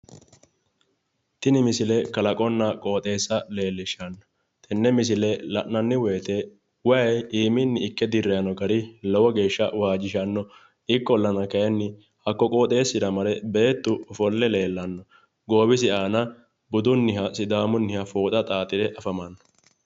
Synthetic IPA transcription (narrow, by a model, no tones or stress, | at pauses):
t̪ɪnɪmɪsɪlɛkɐlɐkʼɔnːɐkʼo̞ːt̪ʼe̞ːsːɐle̞ːlːɪʃɐnːɔ̥ | t̪ɛnːɛmɪs̬ɪlɛlɐʔːɐnːɪweːt̪ɛ | wɐjiːmɪnːɪɪkːɛd̪ɪrːɛjɐnɔɡɐɾɪlɔwɔɡe̞ːʃːɐwaːd͡ʒɪʃɐnːɔ | ɪkːɔlːɐnɐkɐjɛnːɪ | hɐkːɔkʼo̞ːt̪ʼe̞ːsːɪd̪ɐmɐlɛbe̞ːt̪ːʊfɔlːɛle̞ːlːɐnːɔ | ɡoːbɪs̬ɪʔaːnɐ | bʊd̪ʊnːɪhɐsɪd̪aːmʊnːɪhɐfoːt̪ʼɐt̪ʼaːt̪ʼɪd̪ɛʔɐfɐmɐnːɔ̥